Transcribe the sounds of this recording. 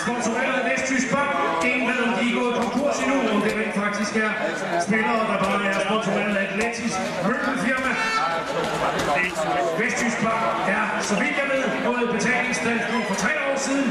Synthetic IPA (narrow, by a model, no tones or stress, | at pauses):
sb̥ɔ̽nsoʁḛːɐð̩ˠʋesd̥t͡sʰysɡ̥̚b̥ɑ̈ːɡ̥ | e̝nbeðˠn̩d̥iɡ̥ɔ̰kʰɒ̽ŋkʰuɐ̰sinuɒd̥e̝menfɑ̈ɡ̥̚d̥isɡ̥æɐ | sb̥enɐːd̥ɑ̈b̥ɑ̈ːmæɐsb̥ɒ̽nsoʁeɐð̩ˠæd̥let͡sʰis | mølɡ̥n̩fiɐmæ | ʋesd̥t͡sʰysɡ̥̚b̥ɑ̈ɡ̥æɐ | sɒ̽ʋid̥jɑʋe̝ð̰ˠɡ̥ɔːlð̩ˠb̥et͡sʰɛ̰ːleŋsd̥æn̰ɡ̥ɔfɒ̽t͡sʰʁɛ̰ːɒ̰ːsið̞ˠn̩